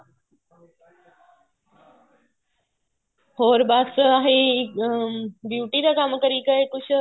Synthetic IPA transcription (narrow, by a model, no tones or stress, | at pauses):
hoːɾbaːsəaːɦe | bjuːʈiːɾakamkəɾiːkaekʊɕʰ